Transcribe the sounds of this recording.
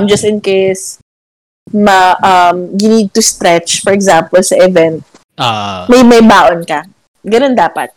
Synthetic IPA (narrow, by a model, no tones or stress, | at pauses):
md͡ʒɐst̪ɪnkejs | mɐʔɐmɡʊnid̪̚t̪ʊst̪ɾɛt͡ʃfɔɹɛɡzampɔlsɐʔɪvɛnt̪̚ː | mɐjmɐjbaːʔonkɐ | ɡɐnond̪aːpɐ̰t̪̚